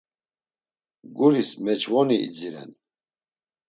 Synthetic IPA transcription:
ɡuɾismɛt͡ʃʰʼvɔniʔḭd͡ziɾɛ̰n

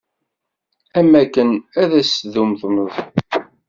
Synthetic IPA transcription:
æmækːənæðæsðumθməðˤ

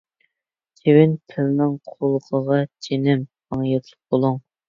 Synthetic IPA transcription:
t͡ʃʲʰewɪntʰɪlnɪŋqʰolˠqʰəʁɑt͡ʃʰenɪm | ɑŋjɛt̪ʰlˠəq̚bolˠuŋ

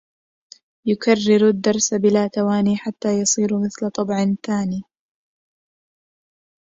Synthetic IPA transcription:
jʊkarːɪɾad̪ːɑɾˤsabɪlaːt̪awaːniːħat̪ːaːjɑsˤiːɾmɪθlat̪ˤɑbʕɪnθaːniː

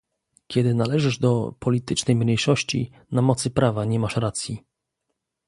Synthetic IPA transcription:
kʲɛd̪ɘnalɛʐɘʐd̪ɔpʰɔlʲit̪ɘt͡ʂnɛjmɲejʂɔɕt͡ɕḭ | namɔt̪sɘpɾavaɲɛmaʂɾat̪sʲji

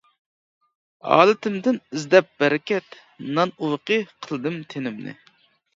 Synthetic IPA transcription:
ɑ̰ːlˠɨt̪ɪmd̪ɪnizd̪ɛp̚b̥æɾɛkʲɛt̪ | nɑnuwqəqʰəlˠd̪ɨmt̪ʰenɪmnɪ̰

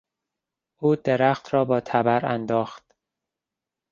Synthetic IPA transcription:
ʔuːd̪eɾæxt̪ɾɒːbɒːt̪ʰæbæɾæ̰nd̪ɒːxt̪

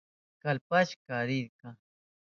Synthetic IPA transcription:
kalpaʃkaɾɪɾka

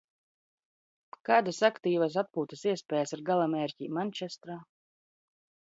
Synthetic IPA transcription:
kaːd̪asakt̪iːvas̬at̪̚puːt̪siɛspʲɛːjasiɾɡalˠamɛːɾʲcʲiːmanʲt͡ʃɛst̪ɾaː

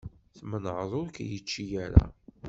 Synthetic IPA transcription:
θmənʕðˤʊɾkjət͡ʃːijæɾa̰

